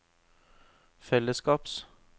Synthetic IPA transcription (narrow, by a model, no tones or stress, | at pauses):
fɛləskɑːps